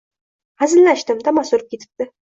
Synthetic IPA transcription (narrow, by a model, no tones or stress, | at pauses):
azɪlnaʃt̪ɪmt̪ʰamasoɾɨp̚kʲet̪ʰɪ̥p̚t̪ɪ